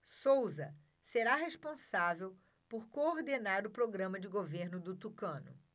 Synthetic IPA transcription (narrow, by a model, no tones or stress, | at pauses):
sowzɐ | seɾaɦeʃpõsavew | poɾkooɾd̪enaɾʊpɾoɡɾɐ̃mɐd͡ʒɪɡoveɾnʊd̪ʊt̪ukɐ̃nʊ̰